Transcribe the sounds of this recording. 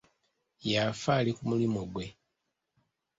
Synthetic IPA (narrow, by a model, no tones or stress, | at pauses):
jafaːlikumulimoɡwe̞